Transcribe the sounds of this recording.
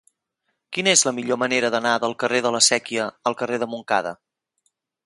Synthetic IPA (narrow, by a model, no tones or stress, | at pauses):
kinəezləmiʎoməneɾəðənaðəlˠkəreðələsɛkiəːlˠkəreðəmuŋka̰ðə̰